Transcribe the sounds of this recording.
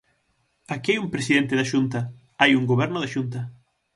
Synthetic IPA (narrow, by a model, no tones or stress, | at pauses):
akiajumpɾesiðent̪eðaʃunt̪ɐ | ajuŋɡoβ̞ɛɾnoðaʃunt̪ɐ